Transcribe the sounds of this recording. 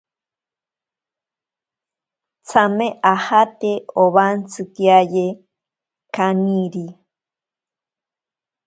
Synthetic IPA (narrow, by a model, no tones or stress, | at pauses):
t͡sameʔahat̪eoβant͡sɨkiaje | kaniɾi